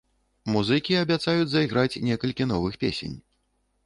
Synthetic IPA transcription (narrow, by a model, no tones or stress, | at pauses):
muzɨkʲiɐbʲat̪sajud͡zʲzɐiɣɾat͡sʲnʲɛkɐlʲkʲin̪ɔvɨxpʲḛsʲḛnʲ